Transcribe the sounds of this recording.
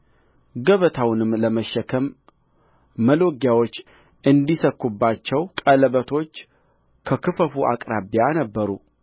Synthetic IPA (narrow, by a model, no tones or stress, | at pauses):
ɡəβət̪ʰawnɨmləməʃːəkʰəm | əloɡjawo̞t͡ʃː | ʔɨnd̪isəkːubːat͡ʃːɛwkʼələβət̪ʰo̞t͡ʃː | kʰəkʰɨfəfuʔa̰kʼɾaβjanəbːəɾu